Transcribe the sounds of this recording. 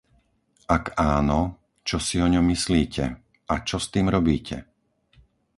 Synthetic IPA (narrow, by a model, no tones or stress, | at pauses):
akaːnɔ | t͡ʃɔsiɔɲɔmːisliːcʰɛ̰ | at͡ʃɔst̪iːmɾɔbiːcɛ̰